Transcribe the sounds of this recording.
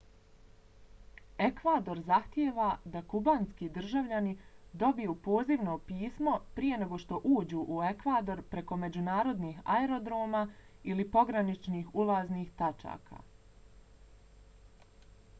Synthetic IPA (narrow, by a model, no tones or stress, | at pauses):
e̞kʋaːd̪o̞ɾzaxt̪jeːʋad̪akubaːnskid̪r̩ʒaʋʎanid̪o̞bijuːpo̞ːziʋnopiːsmo̞pɾije̞ne̞ɡo̞ʃt̪o̞ʔuːd͡ʑuːʔue̞kʋaːd̪o̞ɾpɾe̞ko̞me̞d͡ʑunaːɾo̞d̪niːɦa̰eɾo̞d̪ɾo̞ːmaːilipo̞ɡɾanit͡ʃniːxulˠaːzniːxt̪at͡ʃa̰ːkʰa̰ː